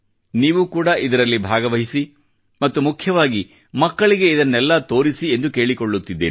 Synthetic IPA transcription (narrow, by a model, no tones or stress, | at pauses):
niːʋukuːɽɐʔid̪ɐɾɐlːibʱaːɡɐʋɐɦisi | mɐt̪ːumukʰjɐʋaːɡi | mɐkːɐɭiɡe̞id̪ɐnːɛlːɐt̪o̞ːɾisie̞nd̪uke̞ːɭikoɭːut̪ːid̪ːeː